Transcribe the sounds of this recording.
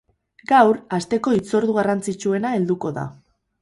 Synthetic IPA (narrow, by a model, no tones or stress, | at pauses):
ɡawɾast̪e̞ko̞it͡so̞ɾðuɣ̞arant͡sit͡ʃue̞nae̞ld̪uko̞ða̰